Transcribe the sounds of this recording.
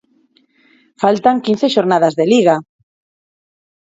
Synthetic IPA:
falt̪aŋkin̟θeʃoɾnað̞azðeliɣa

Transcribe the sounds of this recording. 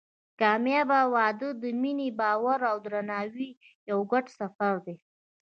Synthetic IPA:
kɑmjɑbawɑd̪əd̪əminebɑwaɾawd̪ɾanɑwi | jawɡaʈsafaɾd̪e

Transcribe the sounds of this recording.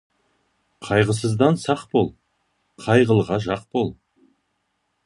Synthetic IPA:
qʰɑjʁəs̬əzd̪ɑnsɑqbo̞lˠ | qʰɑjʁəlˠʁɑʒɑq̚po̞lˠ

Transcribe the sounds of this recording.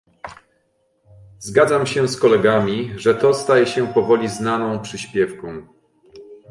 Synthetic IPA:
zɡad̪zamɕɛskɔlɛɡamʲiʐɛt̪ɔst̪ajɛɕɛpɔvɔlʲiznanɔ̃w̃pʂɘɕpʲjɛfkɔ̃w̃

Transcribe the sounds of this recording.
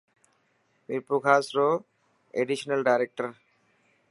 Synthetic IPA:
miɾpukʰasɾo | eɖiʃonelɖajɾek̚ʈaɾ

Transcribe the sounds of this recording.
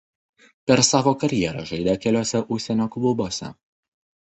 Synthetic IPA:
pʲɛɾsɑːʋoːkɐɾʲjɛɾɐʒɐɪd̪ʲɛkʲɛlʲoːsʲɛʔʊʃʲsʲɛnʲoːklˠʊboːsʲɛ̰

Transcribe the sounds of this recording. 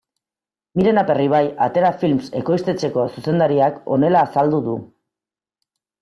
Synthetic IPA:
miɾe̞nape̞riβ̞ajat̪e̞ɾafilmse̞̰ko̞jst̪e̞t͡se̞ko̞suse̞nd̪aɾiako̞̰ne̞laːsald̪uðu

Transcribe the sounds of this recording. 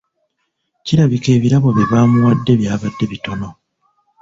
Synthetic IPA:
ciɾaβike̞ːβiɾaβoβjiβaːmuwadːe̞βjaːβadːe̞βito̞no̞

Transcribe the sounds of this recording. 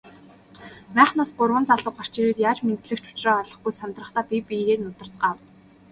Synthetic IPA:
pæːχnaːsɢʊrwə̆nt͡saɮə̆qɔr̥t͡ɕiɾeːt̪jaːt͡ɕment̪ɮɘ̆kt͡ɕʊ̥t͡ɕrɔːɮɞ̆χɡujsamt̪rə̆χt̪aːpʲipiɣeːnʊt̪ə̆r̥t͡sɢaːw

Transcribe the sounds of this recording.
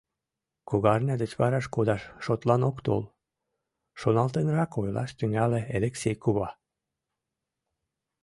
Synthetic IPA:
koɣɑrnʲɑd̪ət͡ɕβɑɾɑʃkod̪ɑʃːot̪lɑnokt̪o̰l | ʃonɑlt̪enrɑkojlɑ̰ʃt̪yŋɡæleelʲeksʲejkuβɑ

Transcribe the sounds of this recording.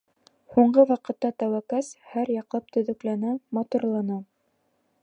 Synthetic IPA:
huɴɢɤwɑqɤ̆t̪ːɑt̪æwækæshæɾjɑqlˠɑp̚t̪ɵ̆ðɵ̆klænæmɑt̪uɾlˠɑnɑ

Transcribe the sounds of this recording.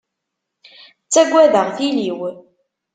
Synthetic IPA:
t͡sːæɡʷːæðəʁθiliw

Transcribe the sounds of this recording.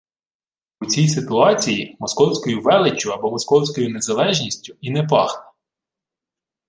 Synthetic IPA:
ʊt͡sʲijsɪt̪ʊɑt͡sʲijimɔskɔwsʲkɔjʊʋɛlˠɪt͡ʃʲːʊɐbɔmɔskɔwsʲkɔjʊnezɐlˠɛʒnʲisʲtʲʊinɛp̬ɑ̰xnɐ

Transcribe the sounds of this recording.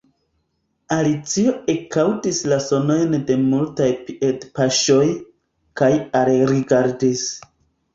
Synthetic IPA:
alit͡sio̞e̞kawtislaso̞no̞jnde̞multajpiedpaʃo̞j | kajalɾiɡaɾdis

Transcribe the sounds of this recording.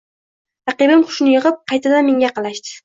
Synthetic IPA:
ɾɑqɨbɪmqʰʊ̥ʃnɪjɪʁɨp̚qʰɑjt̪ʰad̪anme̞ŋɡʲaqʰɑlaʃt̪ɪ̥

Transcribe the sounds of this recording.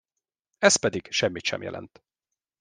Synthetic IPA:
ɛspɛd̪iɡʃɛmːit̪ʃɛ̰mjɛ̰lʔɛ̰nt̪

